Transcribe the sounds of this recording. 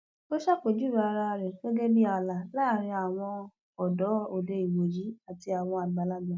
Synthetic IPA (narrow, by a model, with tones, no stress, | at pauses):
o˦ʃa˦˨k͡po˨d͡ʒu˦˨ɾa˨˧ɾa˧ɾɛ˨˦ɡɛ˦ɡɛ˦bi˦a˧˨la˨la˦˨ɾ̃ĩ˧a˨w̃ɔ̃˧ | ɔ˨dɔ˨˦o˨de˧i˨wo˨ji˨˦a˨ti˧a˨w̃ɔ̃˧a˨ɡ͡ba˨˦la˦dɔ̃˨˦